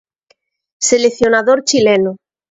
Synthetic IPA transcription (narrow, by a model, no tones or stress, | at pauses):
seleθjonaðoɾt͡ʃileno